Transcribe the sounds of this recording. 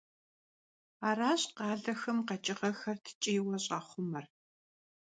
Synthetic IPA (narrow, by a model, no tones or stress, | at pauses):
aːraːɕqɑːɮɐxɐmqɐt͡ʃʼɪʁɐxɐrtʰɨ̥t͡ʃʼiːwɐɕʼɐχʷʊmɐr